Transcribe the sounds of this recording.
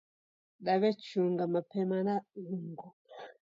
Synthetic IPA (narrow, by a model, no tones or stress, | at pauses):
ɗaβɛt͡ʃuŋɡamapɛmanauŋɡu